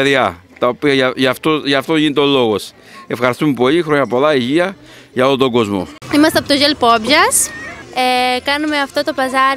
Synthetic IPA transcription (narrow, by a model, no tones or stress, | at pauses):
eðɐt̪ɐopiɐɐʝɐft̪oʝɐft̪o̞ʝinit̪eo̞lo̞ɣos | e̞fxɐɾist̪umepo̞lixɾo̞ɲɐpo̞lɐiʝiɐ | ʝɐolot̪o̞ɡo̞zmo̰imɐst̪eɐpot̪oʝelpobʝɐsekɐnumeɐft̪o̞t̪o̞pɐzɐ